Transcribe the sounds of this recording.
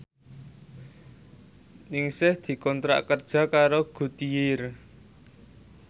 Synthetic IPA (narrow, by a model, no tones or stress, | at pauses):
nɪŋsɪhd̪̥i̤kɔnt̪ɾa̰ʔkərd̥ʒ̥ä̤kaɾoɡ̥ṳt̪ijɪr